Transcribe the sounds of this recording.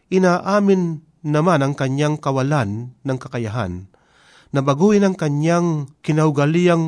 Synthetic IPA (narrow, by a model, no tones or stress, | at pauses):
ʔɪnaːʔaːmɪnː | amanaŋkaɲaŋkawalanːaŋkakajaɦa̰nː | abaɡuʔɪnaŋkaɲjaŋkɪnaʊɡaliaŋ